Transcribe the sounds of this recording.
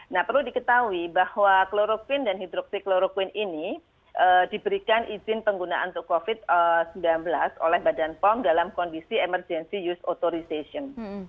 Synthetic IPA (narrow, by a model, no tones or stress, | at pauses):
nahpərludikət̪awibahwakloɾokwɪndanhid̪ɾɔk̚sikloɾokwɪnini | ʔədibəɾikanʔizɪnpəŋɡunaʔa̰nt̪ukofɪt̪̚əsəmbilanbəlaso̰lɛhbadanpɔmdalamkɔndisiemərd͡ʒɛnsijusot̪oɾisesiɔn